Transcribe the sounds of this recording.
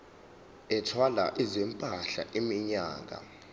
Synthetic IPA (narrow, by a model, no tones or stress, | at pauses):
ɛtʰwala̰ʔizɛmpʼaɬaʔimiɲaːŋʱa̰